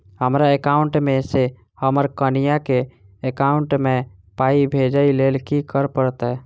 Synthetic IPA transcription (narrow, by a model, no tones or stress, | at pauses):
həmɾaekauɳʈmese | həməɾkənijakeː | kauɳʈme | paibʱed͡ʒəilelkikəɾpəɾt̪ɛ